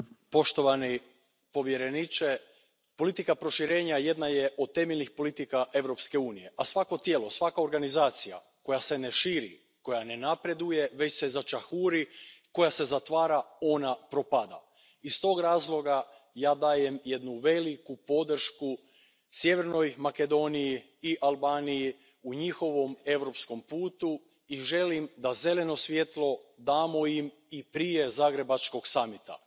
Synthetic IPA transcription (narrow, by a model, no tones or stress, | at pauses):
po̞ʃt̪oʋani | po̞ʋjeɾe̞nit͡ʃe | po̞lit̪ikapɾo̞ʃiɾe̞ːɲaje̞d̪naje̞ʔo̞d̪̚t̪e̞meʎnixpo̞lit̪ikaʔe̞ʋɾo̞pske̞uːnije̞ʔasʋako̞t̪je̞ːlo̞sʋakao̞ɾɡanizaːt̪sija̰ | ko̞jase̞ne̞ʃiːɾḭ | ko̞jane̞napɾe̞d̪uje̞ʋe̞t͡ɕse̞zat͡ʃaxuːɾiko̞jase̞zat̪ʋaːɾao̞napɾo̞pad̪a̰ | ist̪o̞ːɡɾaːzlˠo̞ɡa | jaːd̪aːje̞mje̞d̪nuʋe̞likupo̞d̪r̩ʃku | sje̞ʋe̞ɾno̞jmake̞d̪o̞niji | iʔalˠbaːniji | uɲixo̞ʋo̞me̞ʋɾo̞psko̞mpuːt̪u | iʒe̞limd̪aze̞le̞no̞sʋje̞t̪lˠo̞d̪aːmo̞im | ipɾije̞zaːɡɾe̞bat͡ʃko̞ɡsamit̪a̰